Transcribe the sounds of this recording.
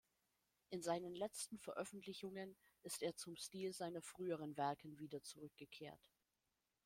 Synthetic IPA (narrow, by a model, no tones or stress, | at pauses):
ʔɪnzaɪnənlɛt͡stn̩fɛɐʔœfn̩tlɪçʊŋən | ɪsteːɐt͡sʊmʃtiːlzaɪnɐfʁ̥yːəʁ̞ənvɛɐkʰən̩viːdɐt͡suʁʏk̚ɡ̥əkʰeːɐt